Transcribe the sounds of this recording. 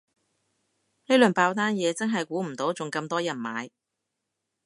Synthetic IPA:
le˥jlɵ˨npaː˧wt̪̬aː˥njɛː˨˧t͡sɐ˥nɦɐ˨jkuː˨˥m̩˨˩t̪o˨˥wt͡sʊ˨ŋkɐ˧mt̪ɔː˥jɐ˨˩nmaː˨˧j

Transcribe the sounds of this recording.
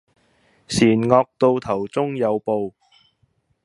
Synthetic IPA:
siː˨˩nŋɔː˧k̚t̪o˧wt̪ʰɐ˨˩wt͡sʊ˥ŋjɐ˨˧wpo˨w

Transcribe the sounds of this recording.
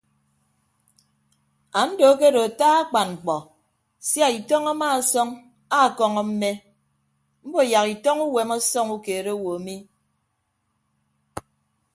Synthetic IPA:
a˨n̩˦do˨˦ke˦ɾo˨a˨taː˦a˦k͡pa˨nŋ͡m̩˨k͡pɔ˨ | sja˦˨i˨tɔ˦ŋa˦maː˦˨˦sɔ˦ŋ | a˦˨kɔ˦ŋɔ˨m̩˦me˦ | m̩˦bo˨ja˨ki˨tɔ˦ŋu˦we˨mɔ˦sɔ˦ŋu˦ke˨ɾe˦wo˨a˨mi˦

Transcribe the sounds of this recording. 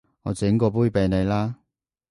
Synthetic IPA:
ŋɔː˨˧t͡sɪ˨˥ŋkɔː˧p̬uː˥jpe˨˧jne˨˧jlaː˥

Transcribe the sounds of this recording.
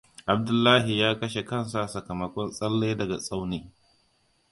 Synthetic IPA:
ʔa˨b̚dʊ˦lːaː˦ɦi˨jaː˦kɐ˦ʃe˨kɐ˦nsa˨ʔsɐ˨kɐ˨mɐ˨kʷɔ˦nsʼɐ˦lːe˦dɐ˨ɡa˨sʼa˦wneː˦

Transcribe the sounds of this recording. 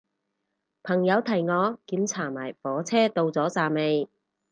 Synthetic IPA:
pʰɐ˨˩ŋjɐ˨˧wt̪ʰɐ˨˩jŋɔː˨˧kiː˨˥mt͡sʰaː˨˩maː˨˩jfɔː˨˥t͡sʰɛː˥t̪o˧wt͡sɔː˨˥t͡saː˨me˨˧j

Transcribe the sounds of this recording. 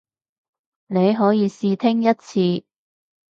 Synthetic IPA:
ne˨˧jɦɔː˨˥jiː˨˧siː˧t̪ʰɪ˥ŋjɐ˥t̚t͡sʰiː˧

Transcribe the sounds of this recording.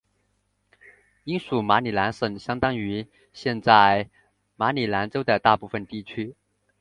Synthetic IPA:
i˥nsu˨˩ma˧˥ni˨˩la˧˥nʂə˨˩ŋɕjɑ˥ŋt̪ɑ˥ŋy˧˥ | ɕjɛ˥˧nt͡sa˥˩ɪ | ma˧˥ni˨˩la˧˥nʈ͡ʂo˥ʊd̪ə˨t̪a˥˧pu˥˩fə˨nt̪i˥˩t͡ɕʰy˥

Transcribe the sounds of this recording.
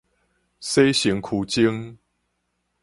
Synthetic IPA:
se˦ɕi˨˦ŋkʰu˨˦t͡ɕi˦ŋ

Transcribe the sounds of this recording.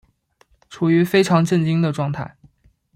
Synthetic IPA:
ʈ͡ʂʰu˨˩y˧˥fe˥ɪʈ͡ʂʰɑ˧˥ŋʈ͡ʂə˥˩nt͡ɕi˥ŋd̪ə˨ʈ͡ʂwɑ˥˧ŋt̪ʰa̰˥˩ɪ

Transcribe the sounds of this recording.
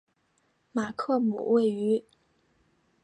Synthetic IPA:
ma˨˩kʰɤ˥˩mṵ˨˩we˥˩ɪy˧˥

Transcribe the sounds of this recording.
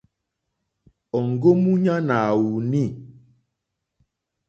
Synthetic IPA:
ɔ˨ŋ˨ɡo˦mu˦ɲa˦na˨wu˨ni˦˨

